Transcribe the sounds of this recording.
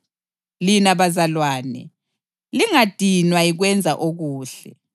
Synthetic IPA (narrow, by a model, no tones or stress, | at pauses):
linaβazalwaːnɛ̰ | liŋad̥ʱinwaiɣwɛnd͡zʱa̰ʔoɣuːɬɛ